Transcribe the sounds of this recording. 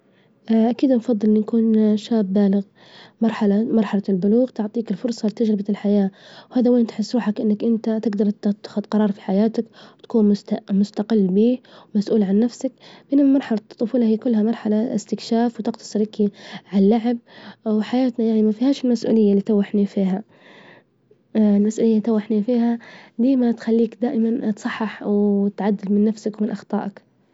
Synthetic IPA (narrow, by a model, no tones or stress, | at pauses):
ʔakiːd̪nfɑðˤːɨlʔnnakuːnʃaːbːaːlɪɣ | mɑɾˤħalamɑɾˤħɑlalbʊluːɣt̪ʊʕt̪ˤiːkɪlfʊɾˤsˤɑlɪt̪ad͡ʒɾɪbalħajaːwhaːðaweːnt̪ħɪsːɾuːħakʔɪnːakʔɪnt̪at̪ɪɡd̪ɑɾˤt̪ːxʊd̪qɑɾˤɑːɾˤfi̥ħajaːt̪akwt̪ḁkuːnmʊt̪mʊst̪aqɪlːbiːwmasʔuːlʕanːafsak̚bɪnɪmɑɾˤħɑlɑt̪ˤːʊfuːlɑhijːkʊlːhamɑɾˤħalaɪ̰st̪ɪkʃaːfwt̪ɪqt̪ʰɑ̥sˤɨɾɪkiʕalːaʕɪb̚wɪħajaːt̪najaʕnimafihaːʃɪlmasʔṵːlɪjːaliːt̪awːaħnifiːɦa | lmasʔuːlɪjːait̪awːaħnifiːhad̪iːmat̪xalːiːkd̪aːʔɪmant̪sˤɑħːɪħwt̪ʕad̪ːɪlmɪnːafsakwmɪnʔɑxt̪ˤɑ̰ːʔɪk